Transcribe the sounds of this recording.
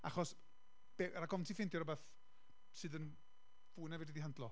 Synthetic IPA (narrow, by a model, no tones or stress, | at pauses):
aχɔs | b̥eɾaɡɔvntʰifɪndjɔɾɔbaθ | sɨːðən | v̥uːɨnɛvɛdidiɦandlˠɔ